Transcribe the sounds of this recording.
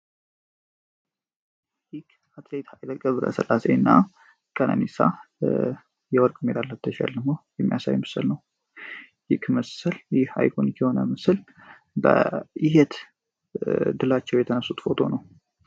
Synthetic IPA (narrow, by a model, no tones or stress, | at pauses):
jɪkʰ | at̪let̪hajd̪əkʼːəβɾə̰sə̰lʔase̞ɨnːa | kʼənʔə̰nisa̰ | jɛwɔɾkʼɨmed̪alːət̪ʰːəʃa̰ld̪əmojɛmːijasa̰jmɨsə̰lnəw | jɪkʰməsəljɪha̰jkʰonikʰɛho̞nəmɨsɨl | bə̰ɪhɛt̪ | d̪ɨlat͡ʃːɛwjɛt̪ʰənəsːut̪fo̞t̪ʰo̞̰nəw